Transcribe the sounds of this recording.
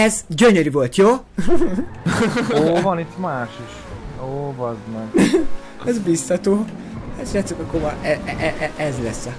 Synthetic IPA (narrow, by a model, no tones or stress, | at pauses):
ɛzɟøɲøɾivo̞lt̪joː | oːvɒnit̪ːmaːʃiʃ | oːvɒzmɛɡ | ɛzbist̪ɒt̪oː | hat̪ʃɛt̪sikɒkːovɒʔɛɛʔɛʔɛʔɛzlɛsɛ